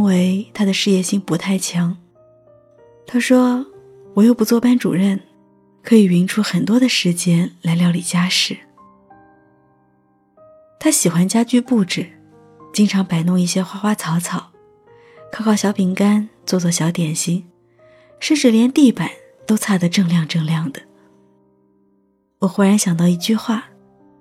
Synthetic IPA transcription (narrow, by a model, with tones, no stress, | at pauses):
we˧˥ɪt̪ʰa˥d̪ə˨ʂɻ̩˥˧jɛ˥˧ɕi˥˩ŋpu˧˥t̪ʰa˥˩ɪt͡ɕʰjɑ˧˥ŋ | t̪ʰa˥ʂwɔ˥ | wɔ˨˩jo˥˩ʊpu˧˥t͡swɔ˥˧˩pa˥nʈ͡ʂṵ˨˩ɻə˥˩n | kʰɤ˧˥i˨˩ɥi˧˥ŋʈ͡ʂʰu˥xə˨˩nt̪wɔ˥d̪ə˨ʂɻ̩˧˥t͡ɕjɛ˥nla˧˥ɪljɑ˥˩ʊli˨˩t͡ɕja˥ʂɻ̩˥˩˦ | t̪ʰa˥ɕi˨˩xwa˥nt͡ɕja˥t͡ɕy˥˧pu˥˩ʈ͡ʂɻ̩˨˩ | t͡ɕi˥ŋʈ͡ʂʰɑ˧˥ŋpa˨˩ɪnʊ˥˧ŋi˥˩ɕjɛ˥xwa˥xwa˥t͡sʰɑ˧˥ʊt͡sʰɑ˨˩˦ʊ | kʰɑ˥˧kʰɑ˥˩ʊɕjɑ˧˥ʊpʰi˧˥ŋka˥nt͡swɔ˥˧t͡swɔ˥˩ɕ̬jɑ˧˥ʊt̪jɛ˨˩nɕi˧˥ŋ | ʂə˥˧nʈ͡ʂɻ̩˥˩ljɛ˧˥nt̪i˥˩pa˨˩˦n | t̪o˥ʊt͡sʰa˥˩d̪ə˧ʈ͡ʂɤ˥˧ŋljɑ˥˧ŋʈ͡ʂɤ˥˧ŋljɑ˥˩ŋd̪ə˩ | wɔ˨˩xwu˧˥ɻa˧˥nɕjɑ˨˩ŋt̪̬ɑ˥˧ʊi˧˥˩t͡ɕy˥˧xwa˥˩